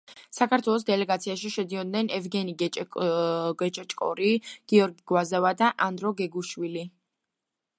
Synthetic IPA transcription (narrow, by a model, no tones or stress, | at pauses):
sakaɾt̪ʰwɛlˠɔs̬d̪ɛlɛɡat̪sʰiaʃiʃɛd̪iɔd̪̚nɛnɛvɡɛniɡɛ | ɡɛt͡ʃʼɛt͡ʃʼkʼɔ̰ɾiɡ̥iɔɾɡiɡ̥wazavad̪aʔand̪ɾɔɡɛɡuʃwili